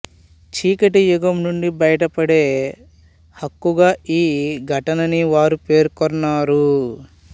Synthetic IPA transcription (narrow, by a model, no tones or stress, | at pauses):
t͡ʃiːkɐʈijuɡɐmnuɳɖibɐjɐʈɐpɐɽe̞ː | hɐkːuɡaːʔiːɡʱɐʈɐnɐniʋaːɾupe̞ːɾkɔnːaːɾu